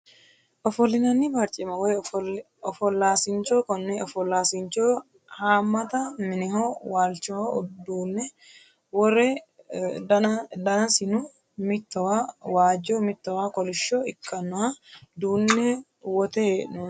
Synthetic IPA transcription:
ʔɔfɔlːɪnɐnːɪbɐɾt͡ʃʼɪmɐwɔj | ɔfɔlːaːsɪnt͡ʃoːkɔnːɛɔfɔlːaːsɪnt͡ʃoː | haːmːɐt̪ɐmɪnɪɦoːwaːlt͡ʃːɪhod̪uːnːɛ | wɔrɛ | d̪ɐnɐsɪnʊ | mɪt̪ːɔwawaːd͡ʒoːmɪt̪ːɔwaːkɔlɪʃːoːɪkːɐnːʊhɐd̪uːnːɛ | wɔt̪ɛnu

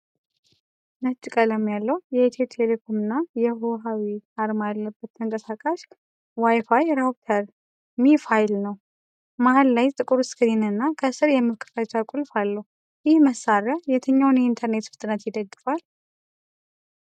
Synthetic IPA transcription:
nət͡ʃʼːikʼələmjalːəwjɛt̪ʰet̪ʰelekʰomɨnːajɛɦoɦawiaɾmajalːəbːət̪ːʰəŋkʼəsakʼaʃ | wajfajɾat̪ʰəɾ | mifajlnəw | mahɨlːajt̪ʼɨkʼuɾuskʰɨɾinɨnːakʰəsɨɾjɛmːɨɾkʰɨ̥fat͡ʃakʼulfalːəw | jɪhməsaɾajɛt̪ʰɨɲːawnint̪ʰəɾne̞t̪fɨ̥t̪ʼɨnət̪jɪd̪əɡːɨfal

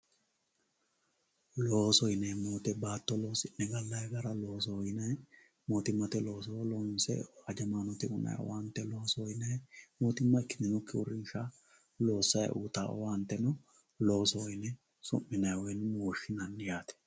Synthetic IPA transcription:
loːsɔjɪnɛjmoːt̪ɛbaːt̪ːɔlo̞ːsɪnːɛɡɐlːɐjɡɐɾɐloːs̬ɔjnɐj | moːt̪ɪmːɐt̪ɛlo̞ːsɔlɔːnsɛ̰ad͡ʒɐmaːnɔt̪ɪʊnɐ̰jɔ̰want̪ːɛlo̞ːsɔjnɛjmoːt̪ɪmːɐɪkːɪ̥d̪ɪnɔkːɪʊɾɪnʃa | lo̞ːsːɐj̰ʔṵːt̪a̰ːɔ̰want̪ːɛnɔ | lo̞ːsɔɔjnɛ | sʊ̰mːɪnɐjwɔjnmoːʃɪnɐnːɪjaːt̪ɛ̥

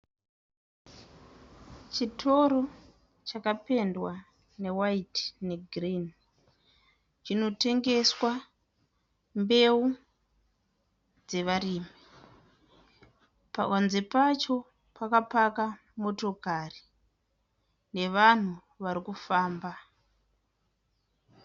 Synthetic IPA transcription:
t͡ʃitʰo̞ɾo̞ | t͡ʃakape̞ndwa | ne̞waitne̞ɡrin | t͡ʃino̞te̞ŋɡe̞swa | mbe̞u | d͡ze̞ʋariːmi | pa̰kanze̞pat͡ʃo̞ | pakapaka | mo̞to̞kari | ne̞ʋan̤u | ʋaɾikufaːmba

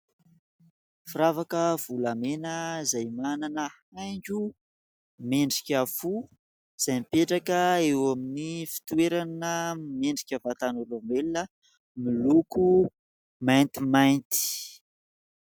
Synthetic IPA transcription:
fiɾavakəv̥ulamenəzajmananəhajɲd͡ʒu | meɳɖ͡ʐikʲafu | iz̥ajmipeʈ͡ʂakəewaminifi̥t̪uweɾanəmeɳɖ͡ʐikʲəvat̪anulomelinə | miluku | majnt̪imajnt̪i̥

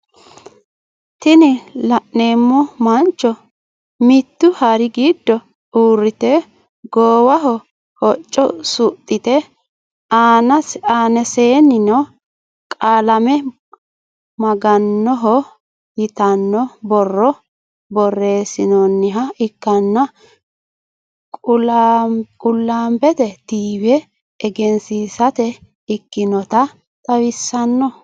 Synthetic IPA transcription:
t̪ɪnɪlɐʔne̞ːmːɔmɐnt͡ʃːɔ | mɪt̪ːʊhɐɾɪɡiːd̪ːɔ | uːrːɪt̪ɛ | ɡoːwɐɦɔ | hɔt͡ʃʼːɔsʊt̪ʼːɪt̪ɛ | aːnɐaːnɛse̞ːnɪnɔ | kʼaːlɐmɛ | mɐɡɐnːɔɦɔ | jɪt̪ɐnːɔbɔrːɔ | bɔrːe̞ːsɪnɔnːɪɦɐɪkːɐnːɐ | kʼʊ | kʼʊlːaːmbɛt̪ɛt̪iːwɛː | ɡɛnsiːsɐt̪ɛ | ɪkːɪnɔt̪ɐ | t̪ʼɐwɪsːɐnːɔ

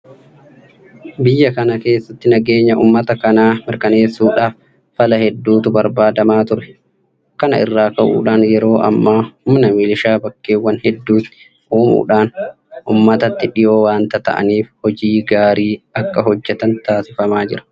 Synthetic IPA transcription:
bɪjːɐkɐnɐke̞ːsːɐt̪ːɪnɐɡe̞ːɲːɐʔṵmːɐt̪ɐkɐnaːmɪɾkɐneːsːuːᶑaːf | fɐlɐhɛd̪ːuːt̪ʊbɐɾbaːd̪ɐmaːt̪ʊɾɛ̥ | kɐnɐ̰ʔɪ̰rːaːkɐʔṵːᶑaːnjɛɾo̞ːʔɐ̰mːaːhʊmnɐmɪlɪʃaːbɐkːeːwːɐnhɛd̪ːuːt̪ːɪ̥ | ʔuːmṵːᶑaːn | ʔṵːmːɐt̪ɐt̪ːɪᶑɪjo̞ːwaːnt̪ɐt̪ɐ̰ʔɐ̰niːfhɔd͡ʒiːɡaːɾiːɐkːɐɦɔd͡ʒːɛt̪ɐnt̪aːsɪfɐmaːd͡ʒɪɾɐ̥

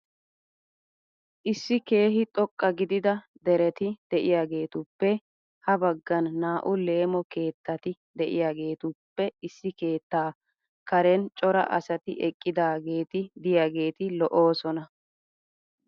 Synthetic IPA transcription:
ʔɪsːɪke̞ːɦɪt̪ʼɔkʼːɐɡɪd̪ɪd̪ɐ | d̪ɛɾɛt̪ɪd̪̥ɛʔɪjaːɡe̞ːt̪ʊpːɛ | hɐbɐɡːɐnːaːʔʊle̞ːmɔke̞ːt̪ːɐt̪ɪ | d̪ɛʔɪ̰jaːɡe̞ːt̪ʊpːɛɪsːɪke̞ːt̪ːaː | kɐɾɛnt͡ʃʼɔɾɐ̰ʔɐ̰sɐt̪ɪʔɛkʼːɪd̪aːɡe̞ːt̪ɪd̪ɪjaːɡe̞ːt̪ɪlɔʔo̞ːsɔnɐ

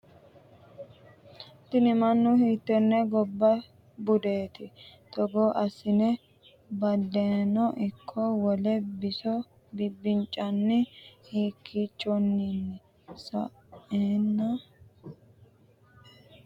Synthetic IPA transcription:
t̪ɪnɪmɐnːʊhiːt̪ːɔnːɛɡɔbːɐ | bʊd̪eːt̪ɪt̪ɔɡoːʔɐsɪnɛ | bɐd̪ːeːnɔʔɪkʰːɔwɔlɛbɪsɔ | bɪbːɪnt͡ʃʼːɐnːɪhiːkʰːiːt͡ʃʼːɔnːinːɛ | sɐ̰ʔeːnːɐ

